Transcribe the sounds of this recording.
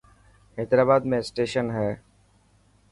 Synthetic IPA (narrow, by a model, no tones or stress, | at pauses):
eːd̪ɾaːbaːd̪mẽsʈeːʃənɦɛː